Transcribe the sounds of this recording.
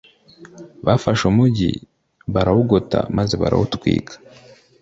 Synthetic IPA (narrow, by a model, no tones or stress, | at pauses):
βafaʃumuɟḭ | βaɾahuɡota̰maze̞βa̰ɾa̰hutkwḭːkḁ